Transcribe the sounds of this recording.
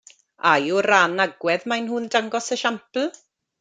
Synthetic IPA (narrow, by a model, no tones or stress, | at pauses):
ajuranaɡwɛðmajnɦʊndaŋɡɔsəʃampl̩ˠ